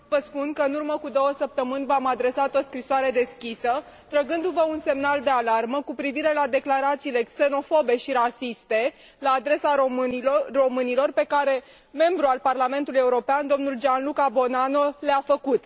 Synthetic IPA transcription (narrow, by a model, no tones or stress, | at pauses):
vəspunkəɨnurməkud̪o̞wəsəp̚t̪əmɨnʲvamad̪ɾe̞sat̪o̞skɾisoaɾe̞d̪e̞skʲisə | t̪ɾəɡɨnd̪uvəunse̞mnald̪e̞alarməkupɾiviɾe̞lad̪e̞klaɾat̪siːle̞kse̞no̞fo̞be̞ʃiɾasist̪e̞ | laːd̪ɾe̞sa | ro̞mɨnilo̞rpe̞kaɾe̞ | me̞mbɾualparlame̞nt̪uluje̞uɾo̞peand̪o̞mnuld͡ʒanlukabo̞nano̞leafəkut̪